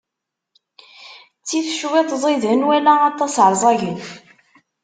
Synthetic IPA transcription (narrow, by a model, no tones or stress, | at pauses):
t͡sːiθʃwet̪ˤzˤiðənwælæɑt̪ˤːɑsəɾˤzˤɑʝənf